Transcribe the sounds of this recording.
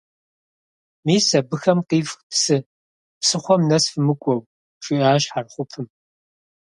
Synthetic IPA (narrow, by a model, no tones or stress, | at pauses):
miːsɐbɨxɐmqiːfxtʰsɨ | psɨχʷɔmnɐsfɨmɨkʷʼɔw | ʈ͡ʂʼiʔaːɕħarχʷʊpʰɨm